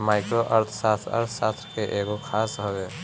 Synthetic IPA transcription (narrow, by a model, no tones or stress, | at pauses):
maːɪkɾoʔəɾt̪ʰsaːt̪ɾə̰ɾt̪ʰsaːst̪ɾkeʔeːɡokʰaːsɦoːɡɛː